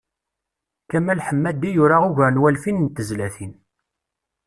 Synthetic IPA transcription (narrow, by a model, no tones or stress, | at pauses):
kæmːælħəmːæd̪ijʊɾaʁʊʝanwælfinnt̪ːəzlæθin